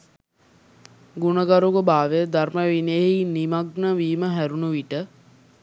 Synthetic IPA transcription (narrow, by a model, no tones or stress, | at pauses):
ɡunəɡaɾuɡəbaːʋed̪arməʋineɦinimaɡnəʋiːməɦæɾunuʋiʈə